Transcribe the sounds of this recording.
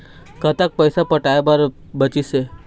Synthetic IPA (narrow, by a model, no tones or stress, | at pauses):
kət̪ak̚pəjsapəʈaːebəɾ | bət͡ʃise